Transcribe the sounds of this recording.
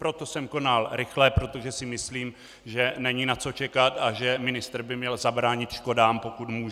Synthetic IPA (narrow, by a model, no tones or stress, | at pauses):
pɾo̞t̪o̞sɛmko̞nalɾɪxlɛpɾo̞t̪o̞ʒɛsɪmɪsliːm | ʒɛnɛɲinat͡so̞t͡ʃɛkat̪aʒɛmɪnɪst̪r̩bɪmɲɛlzabɾaːɲɪt̪ʃko̞daːmpo̞kut̪muːʒ